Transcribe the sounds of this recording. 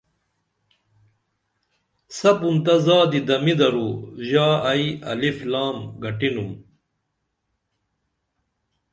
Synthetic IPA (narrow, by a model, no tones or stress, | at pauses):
sɐpunt̪ɐzaːd̪id̪ɐmid̪ɐɾuʑaːɐjiɐ̰liflaːmɡɐʈinum